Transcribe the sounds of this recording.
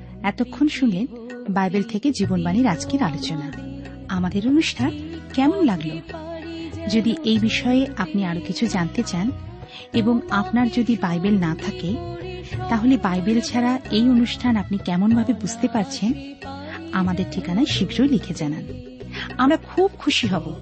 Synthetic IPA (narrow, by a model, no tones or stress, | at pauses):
ɛt̪okʰːonʃunlen | bajbelt̪ʰeked͡ʑibonbaniɾad͡ʑkeɾalot͡ɕona | amad̪eɾonuʃʈʰankɛmonlaɡlo | d͡ʑod̪iʔejbiʃɔeeapniaɾokit͡ɕʰud͡ʑant̪et͡ɕan | eboŋapnaɾd͡ʑod̪ibajbelnat̪ʰake | t̪aɦolebajbelt͡ɕʰaɾaejonuʃʈʰanapnikɛmonbʱabebud͡ʑʱt̪epaɾt͡ɕʰen | amad̪eɾʈʰikanaeʃiɡʱɾoelikʰed͡ʑanan | amɾakʰub̚kʰuʃiɦɔbo